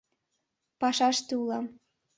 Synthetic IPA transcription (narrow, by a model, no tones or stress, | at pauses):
pɑʃɑʃt̪eulɑm